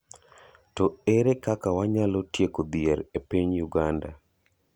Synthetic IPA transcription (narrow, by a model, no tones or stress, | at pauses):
tɔeɾekakawaɲalotjekob̪jeɾepiɲjuɡanda̰